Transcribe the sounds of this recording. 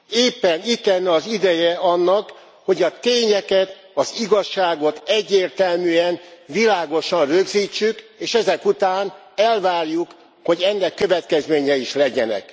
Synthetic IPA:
eːpːɛnit̪lɛnːɒzid̪ɛjɛɒnːɒk | ho̞ɟɒt̪eːɲɛkɛt̪ | ɒziɡɒʃːaːɡo̞t̪ɛɟːeːrt̪ɛlmyːɛnvilaːɡo̞ʃɒnrøɡziːt͡ʃːykeːʃɛzɛkut̪aːn | ɛlvaːrjuk | ho̞ɟɛnːɛkːøvɛt̪kɛzmeːɲɛiʃlɛɟɛnɛ̰k

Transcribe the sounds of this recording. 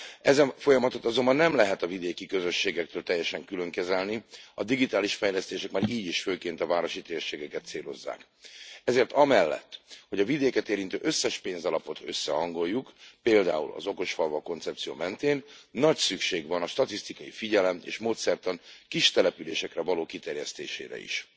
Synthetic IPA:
ɛzɛnfo̞jɒmɒt̪o̞t̪ɒzo̞mbɒnːɛmlɛɦɛt̪ɒvid̪eːkikøzøʃːeːɡɛk̚t̪øːlt̪ɛjːɛʃɛŋkylø̞ŋkɛzɛlniɒd̪iɡit̪aːliʃfɛjlɛst̪eːʃɛkmaːɾiːɟiʃføːkeːnt̪ɒvaːɾo̞ʃit̪eːrʃeːɡɛkɛt̪seːlo̞zːa̰ːk | ɛzeːrt̪ɒmɛlːɛ̰t̪ːho̞ɟɒvid̪eːkɛt̪eːɾint̪øːʔøsːɛʃpeːnzɒlɒpo̞t̪øsːɛɦɒŋɡo̞jːukpeːld̪a̰ːṵlɒ̰zo̞ko̞ʃfɒlvɒko̞nt̪sɛp̚t̪sijo̰ːmɛnt̪eːnːɒcsykʃeːɡʋɒnɒʃt̪ɒt̪ist̪ikɒjifiɟɛlɛmḛːʃmoːt̪sɛrt̪ɒnkiʃt̪ɛlɛpyleːʃɛkrɛvɒloːkit̪ɛrjɛst̪eːʃḛːɾɛ̰ḭʃ

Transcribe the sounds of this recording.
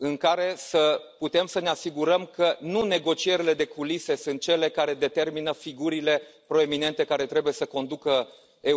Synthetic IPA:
ɨŋkaɾe̞səput̪e̞msəne̞asiɡuɾəmkənune̞ɡo̞t͡ʃie̞ɾile̞d̪e̞kulise̞sunt̪̚t͡ʃe̞le̞kaɾe̞d̪e̞t̪e̞rminəfiɡuɾile̞pɾo̞e̞mine̞nt̪e̞kaɾe̞t̪ɾe̞buje̞səko̞nd̪ukə | e

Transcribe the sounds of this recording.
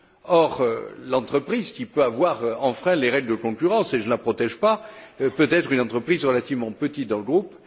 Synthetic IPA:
ɔʁølɑ̃t̪χəpχizkʲipøavwaʁɑ̃fχɛ̃leʁɛɡləd̪əkɔ̃kʲyʁɑ̃seʒənəlapχɔt̪ɛʒpapøt̪ɛt̪χynɑ̃t̪χəpχizʁəlat̪ivmɑ̃pət̪it̪̚d̪ɑ̃ləɡʁup

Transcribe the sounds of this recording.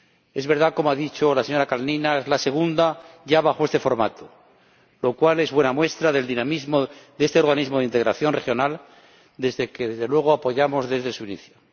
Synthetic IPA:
e̞zβe̞ɾð̞ako̞moaðit͡ʃo̞laseɲo̞ɾakalninaezlase̞ɣ̞und̪aʝaβaxoe̞st̪efo̞ɾma̰t̪o | lo̞kwale̞zβwe̞namwe̞st̪ɾaðe̞ld̪inamizmoðe̞st̪eo̞ɾɣanizmoð̞eint̪eɣɾaθjo̞nre̞xjo̞nal | d̪e̞zðe̞ke̞ðe̞zðe̞lwe̞ɣ̞oapo̞ʝamo̞zðe̞zðe̞suinḭθjo

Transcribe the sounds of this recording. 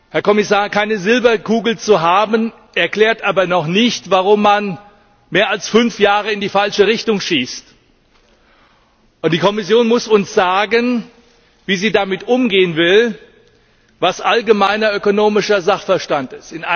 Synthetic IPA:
hɛɐkɔmɪsaːɐkʰaɪnəzɪlbɐkʰuːɡl̩t͡suɦaːbən | ʔɛɐkl̥ɛːɐtʔaːbɐnɔχnɪçtv̥aʁʊmːan | meːɐalsfʏnfjaːʁ̞əɪndiːfalʃəʁɪçtʊŋʃiːst | ʔʊnt̚d̥iːkʰɔmɪsjoːnmʊsʊnsz̥aːɡən | viːziːdamɪtʔʊmɡeːənvɪl | vasʔalɡəmaɪnɐøkonoːmɪʃɐzaχfɛɐʃtantɪstɪna

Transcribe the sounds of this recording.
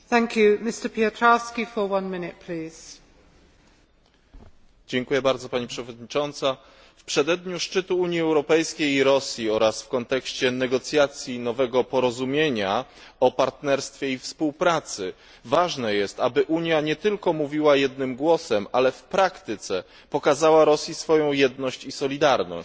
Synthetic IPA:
θæ̃ŋkʰjʉmɪstəpʰiətʰɹaskifəwʌ̃nmɪnɪt̚pʰl̥iːz̥ | d͡ʑɛŋkujɛbaɾd̪zɔpaɲipʂɛvɔd̪̚ɲit͡ʂɔnt̪sa | fpʂɛd̪ɛd̪ɲuʂt͡ʂɘt̪uuɲjiɛwɾɔpɛjskʲejiɾɔsʲjiɔɾasfkɔnt̪ɛkɕt͡ɕɛnɛɡɔt̪sʲjat̪sʲjinɔvɛɡɔpɔɾɔzumʲjeɲa | ɔpaɾt̪nɛɾst̪fʲjɛifspuwpɾat̪sɘ | vaʐnɛjɛst̪abɘʔuɲjaɲɛt̪ɘlkɔmuvʲiwajɛd̪̚nɘmɡwɔsɛmalɛfpɾakt̪ɘt̪sɛ | pɔkazawaɾɔsʲjisfɔjɔ̃w̃jɛd̪nɔɕt͡ɕisɔlʲid̪aɾnɔ̰

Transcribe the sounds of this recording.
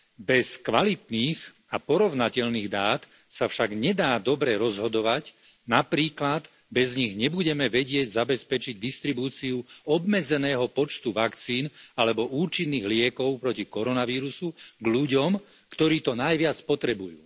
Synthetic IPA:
bɛskʋalit̪niːx | apɔɾɔʋnacɛʎniːɣd̪aːt̪ | safʃaɡɲɛd̪aːd̪ɔbɾɛɾɔzɦɔd̪ɔʋac | napɾiːklad̪ | bɛzɲiɣɲɛbuɟɛmɛʋɛɟɪɛɟzabɛspɛt͡ʃiɟ̚d̪ist̪ɾibuːt͡siuɔbmɛd͡zɛnɛːɦɔpɔt͡ʃt̪uʋakt͡siːnalɛbɔʔuːt͡ʃinːiːɣlɪɛkɔʊpɾɔcikɔɾɔnaʋiːɾusuɡʎuɟɔmkt̪ɔɾiːt̪ɔnajʋɪat͡spɔt̪ɾɛbujṵː

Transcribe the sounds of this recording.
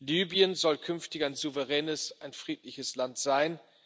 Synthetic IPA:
lyːbiənzɔlkʰʏnftɪçaɪnzuvəʁɛːnəsʔaɪnfʁ̥iːtlɪçəslantz̥aɪn

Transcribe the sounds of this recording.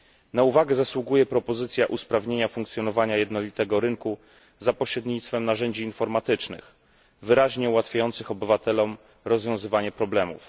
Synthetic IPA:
nauvaɡɛzaswuɡujɛpɾɔpɔzɘt̪sʲjaʔuspɾavɲeɲafuŋkt̪sʲjɔnɔvaɲajɛd̪nɔlʲit̪ɛɡɔɾɘŋku | zapɔɕɾɛd̪ɲit̪st̪fɛmnaʐɛɲd͡ʑiːnfɔɾmat̪ɘt͡ʂnɘ̰x | vɘɾaʑɲɛuwat̪fʲjajɔnt̪sɘxɔbɘvat̪ɛlɔm | ɾɔzvʲjɔ̃w̃zɘvaɲɛpɾɔblɛmṵf

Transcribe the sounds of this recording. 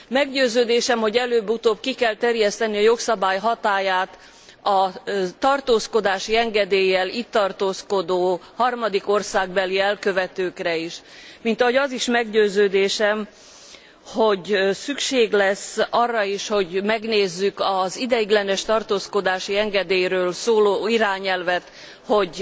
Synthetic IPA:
mɛɡɟøːzøːd̪eːʃɛmho̞ɟɛløːbːut̪oːbkikɛlt̪ɛrjɛst̪ɛniɒjo̞ksɒbaːjɦɒt̪aːjaːt̪ | ɒt̪ɒrt̪oːsko̞d̪aːʃiɛŋɡɛd̪eːjːɛliːt̪ːɒrt̪oːskod̪oːhɒrmɒd̪iko̞rsaːɡ̚bɛliɛlkøvɛt̪øːkrɛiʃ | mint̪ɒɦo̞ɟɒziʃmɛɡɟøːzøːd̪eːʃɛm | ho̞ɟsykʃeːɡlɛsːɒrːɒiʃho̞ɟmɛɡneːzːykɒzid̪ɛjiɡlɛnɛʃt̪ɒrt̪oːsko̞d̪aːʃiɛŋɡɛd̪eːjɾøːlsoːloːiɾaːɲɛlvɛt̪ | hoɟ

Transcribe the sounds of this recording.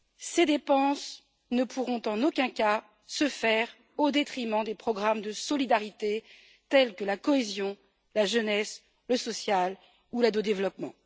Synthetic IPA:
sed̪epɑ̃s | nəpʰuʁɔ̃t̪ɑ̃nokʲɛ̃ka | səfɛʁ | od̪et̪χimɑ̃d̪epχɔɡʁamd̪əsɔlid̪aʁit̪e | t̪ɛlkəlakɔezjɔ̃ | laʒənɛs | ləsɔsjal | ulad̪od̪evlɔpmɑ̃

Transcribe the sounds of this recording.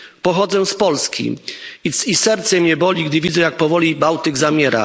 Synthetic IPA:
pɔxɔd̪zɛ̃spɔlskʲḭisisɛɾt̪sɛmɲɛbɔlʲiɡd̪ɘvʲid̪zɛjak̚pɔvɔlʲibawt̪ɘɡzamʲjɛɾa̰

